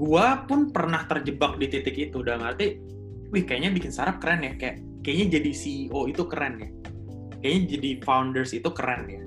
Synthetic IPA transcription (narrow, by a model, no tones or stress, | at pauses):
ɡuapʊnpərnaht̪ərd͡ʒəbak̚dit̪it̪ɪkit̪udaləmhart̪i | wɪhkajaʔɲabikɪnsaɾap̚kəɾɛnjakajaʔ | kajaʔɲad͡ʒadisioit̪ukəɾɛnja | kajaɲad͡ʒadifawndərsit̪ukəɾɛnja